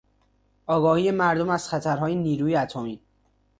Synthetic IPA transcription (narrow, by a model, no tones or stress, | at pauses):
ʔɒːɡɒːhiːje̞mæɾd̪omæz̥xæt̪ʰæɾɦɒːjeniːɾuːjeæt̪ʰomiː